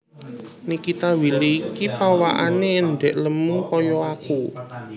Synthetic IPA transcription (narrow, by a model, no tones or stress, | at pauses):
nikit̪awilikipawaʔaneːɳɖɛʔləmuŋkɔjɔaku